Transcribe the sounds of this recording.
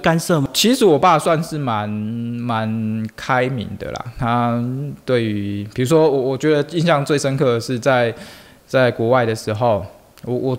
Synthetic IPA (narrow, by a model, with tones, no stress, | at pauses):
ka˥nsɤ˥˨m˨t͡ɕʰi˧˥ʂɻ̩˨˥wɔ˨˩pa˥˧swa˥˧nʂɻ̩˥˩ma˧˦nma˧˦nkʰa˦ɪmḭ˧˥ŋd̪ə̰˨la̰˩t̪ʰa˦t̪we˥˩ɪy˧˦pʰi˨˩ɻu˧˥ʂwɔ˥wɔ˨˩wɔ˨˩t͡ɕɥɛ˧˦˥d̪ə˨i˥˧nɕjɑ˥˧ŋt͡swe˥˩ɪʂə˦nkʰɤ˥˧ʂɻ̩˥˧t͡sa˥˧ɪ | t͡sa˥˩ɪkwɔ˧˥wa˥˩ɪd̪ə˩ʂɻ̩˧˥xo˥˨ʊ | wɔ˨˩wɔ˨˩